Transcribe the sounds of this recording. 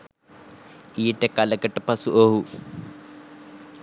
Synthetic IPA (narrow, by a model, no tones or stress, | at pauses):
ijeʈekaləkəʈəpasuʔoɦu